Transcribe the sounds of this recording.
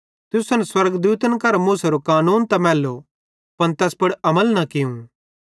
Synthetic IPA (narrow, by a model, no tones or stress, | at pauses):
t̪ʊsɐnɛswɐɾɡd̪uːt̪ənkɐɾmuːsɐɾokaːnuːnt̪ɐmɛːlːo | pɐnt̪ɛːspɐɽɐməlnɐkɪjũ